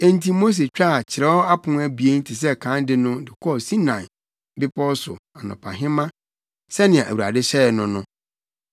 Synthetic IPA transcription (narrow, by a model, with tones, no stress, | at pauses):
ẽ˦n˦tʰi˦mo˦s̬e˨t͡ɕᶣa˦a˨t͡ɕʰɪ˨ɾɛ˦ɔ˦a˦pʰʊ̃˨n˦æ˦bi˨e˦n̩˦tʰi˨s̬ɛ˦kʰã˨˦ndɪ˦nʊ̃˦dɪ˨kʰɔ˦˨sĩ˦nã˨ | bɪ˦pʰɔ˦sʊ̰˨a˨nʊ̰̃˨pʰa̰˨ɦɪ̃˦mã˦ | sɛ˦nɪ̃˨ã˨ʔæ̰˨wu˨ɾa̰˨dɪ˦ɕɛ˦˨nʊ̃˦nʊ̃˦